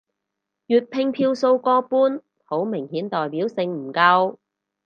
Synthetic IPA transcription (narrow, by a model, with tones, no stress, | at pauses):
jyː˨t̚pʰɪ˧ŋpʰiː˧wso˧wkɔː˧puː˥n | ho˨˥wmɪ˨˩ŋhiː˨˥nt̪ɔː˨jpiː˨˥wsɪ˧ŋm̩˨˩kɐ˧w